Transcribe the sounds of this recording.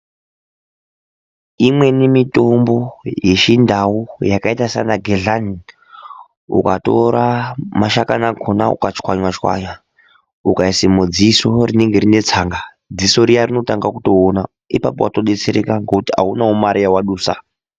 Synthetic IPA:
imwe̞nemito̞mbo̞je̞ʃindaujakaitasa̰naɡʱeɮani | ṵkato̞̰ɾamaʃakanaɡʱona̰ṵkat͡ʃkwaɲwat͡ʃkwa̰ɲwa | ukaisemud͡ziso̞rine̞ŋɡeɾine̞t͡saŋɡa | d͡ziso̞ɾijarino̞taŋɡakuto̞ːna | ipapowato̞ɗe̞t͡seɾekaŋɡokutia̰unaumaɾijawaɗuːsa̰

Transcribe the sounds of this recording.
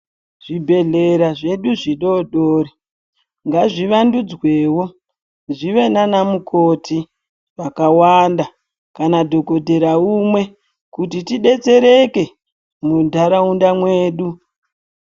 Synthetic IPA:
ʐ̥ibʱe̞ɮeɾaʐe̞ɗuʐiɗo̞ɗoːɾi | ŋɡaʐiʋandud͡zwe̞ːwo̞ | ʐiʋe̞nanamukʰo̞tʰi | ʋakawanda | kanadʱo̞ko̞dʱe̞ɾaumwe̞ | kutitiɗe̞t͡se̞ɾe̞ke̞ | mudʱaɾaundamweːɗu

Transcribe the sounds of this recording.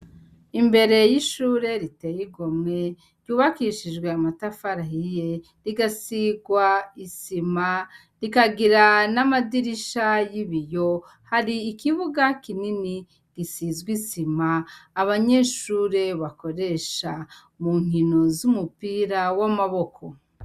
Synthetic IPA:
imbe̞ɾe̞jiʃuːɾe̞ɾite̞jiɡomŋe̞ | ɾɟuːβakiʃid͡ʒɡwe̞amatafaɾahije̞ | ɾiɡasiɡwaisima | ɾikaɡiɾanamadiɾiʃajiβijo̞ | haɾiːkiβuɡakinini | ɡisizɡwisimaːβaɲe̞ʃuːɾe̞βako̞ɾe̞ʃa | muŋ̥ino̞zumupiɾawamaβo̞kʰo̞

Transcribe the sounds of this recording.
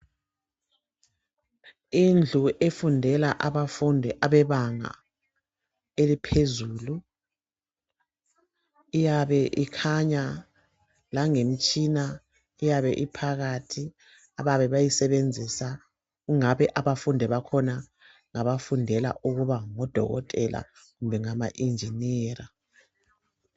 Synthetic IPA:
ind͡ɮʱuʔefundʱɛlaʔaβafundʱɛʔaβɛβaŋa̰ | elipʰezuːlu | ijaβɛʔikʰaɲa | laŋem̩t͡ʃʼina | ijaβɛ̰ʔipʰaɣatʰi | aβaβɛβajisɛβend͡zʱisa | ɣuŋaβɛʔaβafundʱɛβakʰɔna | ŋaβafundʱɛla̰ʔuɣuβaŋɔd̥ʱɔ̰ɣɔ̰tʼɛlʔa̰ | ɣumbʱɛŋama̰ʔind͡ʒʱinɛːra

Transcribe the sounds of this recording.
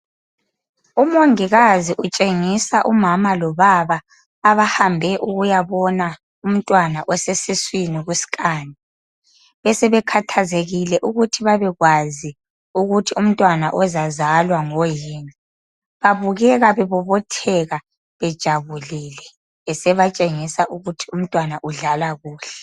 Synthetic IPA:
umoŋiɣaziʔut͡ʃʼeŋisaʔumamalɔβaβaː | βahambʱɛʔuɣujaβɔna | um̩tʼwanaʔɔsesiswiniɣusi̥kʼaːni | βɛsɛβɛkʰatʰazeɣilɛʔuɣutʰiβaβɛɣwazi | uɣutʰium̩tʼwanaʔɔzazalwaŋojiːni | βaβuɣɛɣaβɛβɔβɔtʰɛɣa | βɛd̥ʒ̥ʱaβuliːlɛː | sɛβat͡ʃʼeŋisaʔuɣutʰium̩tʼwanaʔuɮalaɣuːɬɛ̥

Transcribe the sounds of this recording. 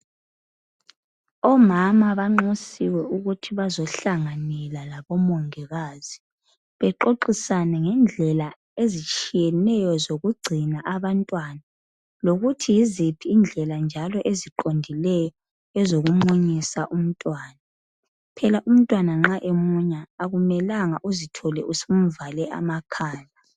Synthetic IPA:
ɔmamaβaŋ͡ǃosiwɛuɣutʰiβazɔɬaŋanɛlalaβɔmoŋɛɣaːzi | βɛǃoǃisanɛŋɛnd͡ɮʱɛla | ezit͡ʃʼijɛnɛjɔzoɣuɡ͡ǀʱinaʔaβantʼwana | loɣutʰijizipʰiːnd͡ɮʱɛland͡ʒʱalɔʔeziǃondʱilɛjɔ | ɛzoɣumoɲisaʔum̩tʼwaːna | pʰɛlaʔum̩tʼwanaŋ͡ǁaʔemuɲaːɣumɛlaŋaʔuzitʰɔlɛusem̩valɛʔa̰makʰaːna

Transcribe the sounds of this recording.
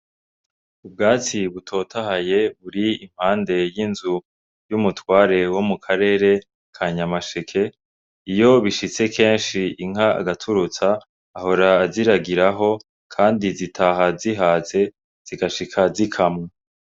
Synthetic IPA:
ub̚ɡaːt͡siβutʰo̞ːtʰahaje̞βuɾiim̥haːnde̞jinzu | jumutwaːɾe̞wo̞mukʰaɾe̞ːɾe̞ | kʰaɲamaʃekʰe̞ | ijo̞βiʃit͡se̞kʰe̞ːnʃiiŋ̥aa̰ɡatʰuɾut͡saː | ho̞ɾaːziɾaɡiɾaɦo̞ | kʰaːndizitʰaɦaziɦaːze̞ | z̥iɡaʃikʰazikʰamŋe

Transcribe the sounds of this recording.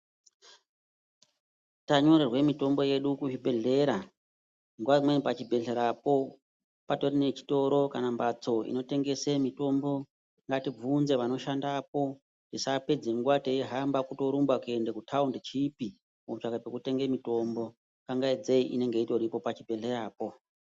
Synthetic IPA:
taɲo̞ɾerwe̞mito̞mbo̞je̞ɗukuibʱe̞ɮe̞ɾa | ŋɡwamwenpat͡ʃibʱe̞ɮe̞ɾapo̞ | pato̞rine̞t͡ʃi̥to̞ɾo̞kanambat͡soʔḭno̞te̞ŋɡe̞semito̞mbo̞ | ŋɡatib͡vunze̞ʋano̞ʃandap̚o̞ | disape̞d͡zeŋɡwatejeɦambakuto̞ɾumbakuendekutʰaundet͡ʃipi | mout͡ʃakapekute̞ŋɡemito̞mbo̞ | kaŋɡaid͡zeiʔine̞ŋɡe̞ito̞ɾipo̞pat͡ʃibʱe̞ɮe̞ɾaːpo̞

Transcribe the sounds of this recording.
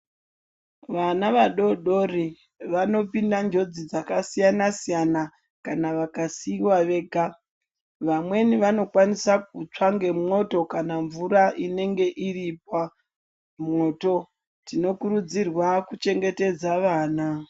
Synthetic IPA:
ʋanaʋaɗo̞ɗo̞ri | ʋano̞pindand͡ʒo̞d͡zid͡zakasijanasijana | kanaʋakasiwaʋe̞ːɡʱa | ʋamwe̞niʋano̞kwanisak̚ut͡ʂaŋɡe̞mŋo̞to̞kanaɱvuɾaʔine̞ŋɡe̞ʔirip̚a | mŋo̞ːto̞ | tino̞kuɾud͡zirwakut͡ʃe̞ŋɡe̞te̞d͡zaʋaːna

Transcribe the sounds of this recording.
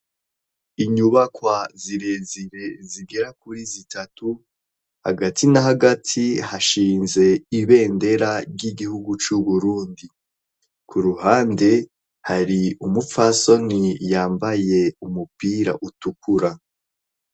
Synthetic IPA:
iɲuβakwaziɾe̞ziɾe̞ziɡe̞ɾak̚uɾizitʰatu | ha̰ɡatʰinaɦaɡatʰihaʃiːnze̞iβe̞ːnde̞ɾaɾjɟiɡihuɡut͡ʃuβuɾuːndi | kʰuɾuhaːnde̞ | haɾiumup͡faso̞nijaːmbaje̞umupiːɾa̰ʔutukʰuɾa

